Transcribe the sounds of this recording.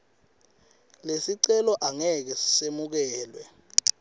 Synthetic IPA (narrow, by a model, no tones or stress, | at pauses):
lesiǀɛlɔʔaŋɛk̬ɛsi̥semuk̬ɛːlwɛ